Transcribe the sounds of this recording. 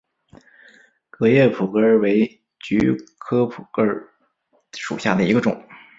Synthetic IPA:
kɤ˧˥jɛ˥˩pʰu˨˩kə˥˩we˧˥ɪ | t͡ɕy̰˧˥kʰɤ˥pʰu˨˩kə˞˥˧ | ʂṵ˨˩ɕja˥˩d̪ə˩i˧˥ɡə˧ʈ͡ʂʊ̰˨˩˦ŋ

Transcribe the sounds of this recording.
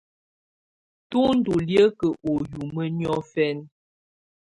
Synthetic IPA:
tu˦n̩˦du˨ljə˦kə˨ʔo˨ju˨mə˦ɲɔ˦fɛ˦n

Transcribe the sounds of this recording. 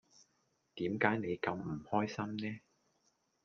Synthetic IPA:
t̪iː˨˥mkaː˨˥jne˨˧jkɐ˧m̩˨˩hɔː˥jsɐ˥mnɛː˥

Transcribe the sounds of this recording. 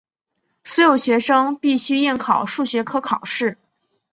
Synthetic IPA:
sw̩ɔ˧˥jo˨˩ʊɕɥɛ˧˥ʂɤ˥ŋpi˥˩ɕy˥i˥˩nkʰɑ˨˩ʊʂu˥˩ɕɥɛ˧˥kʰɤ˥kʰɑ˨˩ʊʂɻ̩˥˩

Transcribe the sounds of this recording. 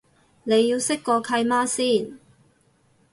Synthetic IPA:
ne˨˧jːiː˧wsɪ˥kːɔː˧kʰɐ˧jmaː˥siː˥˩n

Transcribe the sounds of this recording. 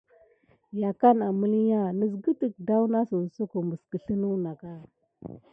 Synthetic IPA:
ja˨ka˦na˨mə˦li˦ja˦˨nə˨s̬ɡə˦tə˨k̚da˦wna˦su˨n˨so˦ko˨mə˨skə˨ɬə˦nu˦na˨ka˦

